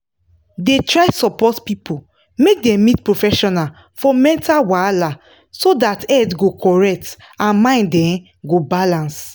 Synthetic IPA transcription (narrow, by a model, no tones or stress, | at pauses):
detɹaɪsɔpɔtpipʰo | mek̚dɛ̃mmitpɹofɛʃɔnal | fɔmɛ̃ntawala | sodatɛtɡokɔɹɛk̚t | ãnmãɪ̃ndɛ̃n | ɡobalãns